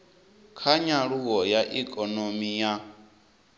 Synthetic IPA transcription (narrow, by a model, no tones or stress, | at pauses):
kʰaɲaɺuɣɔjaʔikʼɔnomija